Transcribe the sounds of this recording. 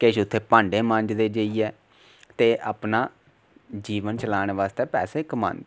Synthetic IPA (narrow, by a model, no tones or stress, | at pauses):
keːʃʊt̪ʰːeːpãːɳɖeːmə̃nd͡ʒd̪eːd͡ʒəiːɛː | t̪eːʔaːpnaː | d͡ʒiːʋənt͡ʃəlaːñeːʋaːst̪eːpɛːseːkəma̰ːnd̪